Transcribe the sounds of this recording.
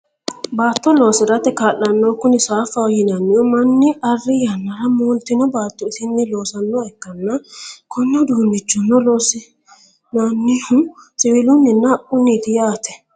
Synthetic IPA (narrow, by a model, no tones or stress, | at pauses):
baːt̪ːɔloːsɪɾɐt̪ːɛkaːlːɐnːoːkʊnɪsaːfɐɔjɪnanːɪʊmɐnːɪɐrːɪjanːɐɾɐmuːlt̪ɪnɔbaːt̪ːɔɪsɪnːɪlo̞ːsɐnːɔɛkːɐnːɐkʰɔnːɐd̪uːnːɪt͡ʃːɔnːɔloːsɪ | nanːɪhʊsɪwɪlʊnːɪnːɐʔʊnːit̪ɪjaːt̪ɛ̥